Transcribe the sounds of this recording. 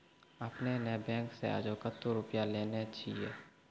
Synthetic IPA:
əpnenɛbɛ̃ːŋksḛa̰ːd͡ʒokət̪ːoɾʊpjaleːneətːʃʰiɦɛː

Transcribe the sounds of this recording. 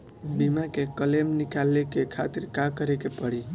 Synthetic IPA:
bimakekəlemnikalːekekʰat̪iɾkakəɾekepəɽi

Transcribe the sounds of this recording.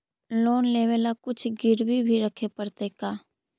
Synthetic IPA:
loːnleːʋeːlakʊt͡ʃʰɡɪɾbibʱiɾəkʰepəɾt̪ekaː

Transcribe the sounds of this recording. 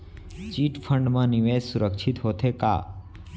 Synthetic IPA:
t͡ʃiʈpʰəɳɖmãniʋesuɾəkʃʰit̪ɦot̪ʰeka̰

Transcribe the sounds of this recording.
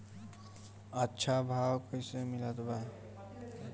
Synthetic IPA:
ətːʃʰabʱawkəjsemilət̪ba

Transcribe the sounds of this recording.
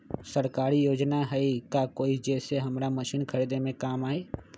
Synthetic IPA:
səɾkaːɾijoːd͡ʒnaɦɛikakoːid͡ʒɛːseɦɐmɾaməʃiːnkʰəɾid̪emẽkaːmaːeː

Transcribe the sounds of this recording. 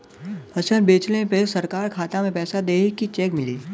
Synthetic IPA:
bʱɐʃənbeːt͡ʃlepesɐɾkaːɾkʰaːt̪amẽpɛːsad̪eːkːit͡ʃeːkmɪliː

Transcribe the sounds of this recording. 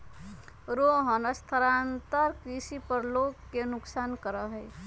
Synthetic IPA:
ɾoɦənəst̪ʰəɾant̪əɾkɾisipəɾlokːenuksankəɾəɦəj

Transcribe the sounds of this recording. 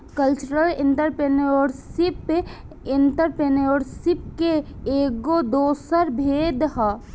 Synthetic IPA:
kəlt͡ʃəɾəlɪ̃nt̪əɾpeneoːɾsɪp | ɪnt̪əɾpeneoːɽsɪp̚keeːɡod̪oːsəɾbʱeːd̪ɦə

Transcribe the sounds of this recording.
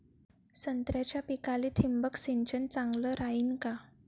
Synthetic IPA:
sənt̪ɾjat͡ɕjapikalit̪ʰimbəksiɲt͡ɕənt͡saŋɡləɾainka

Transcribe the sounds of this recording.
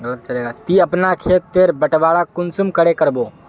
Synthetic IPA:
ɡələt̪t͡ʃəleːɡat̪iɐpnakʰeːt̪ːeːɾbəʈʋaːɽakʊnsʊmkəɽekəɾboː

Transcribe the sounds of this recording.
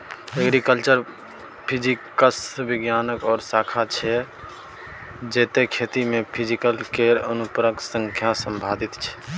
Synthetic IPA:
əɡɾikəlt͡ʃəɾ | pʰid͡ʒikəsbiɡjanəkɔːɾsakʰat͡ʃʰɛ | d͡ʒeːt̪ekʰet̪imepʰid͡ʒikəlkeɾənupɾəksə̃ŋkʰjasəmbʱad̪it̪t͡ʃʰɛ̥

